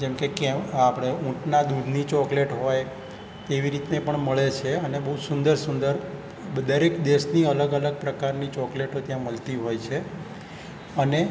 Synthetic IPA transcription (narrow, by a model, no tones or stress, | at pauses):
d͡ʒɛmkekɛ̃apɽ̃eũʈnad̪ud̪ʱnit͡ʃɔkleʈɦoj | t̪eʋiɾit̪nepəɳməɭet͡ʃʰeənebəɦusʊnd̪əɾsʊnd̪əɾ | bəd̪əɾekd̪eʃniələɡələɡ̚pɾəkaɾnit͡ʃɔkleʈot̪jãməlt̪iɦojt͡ʃʰe | əne